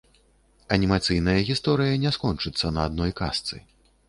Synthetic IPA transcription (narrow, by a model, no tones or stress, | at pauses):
ɐnʲimat̪sɨjnɐjɐɣʲist̪ɔɾɨjɐnʲɛskɔnt͡ʂɨt̪sːɐnɐːd̪̚nɔjka̰st̪sɨ̰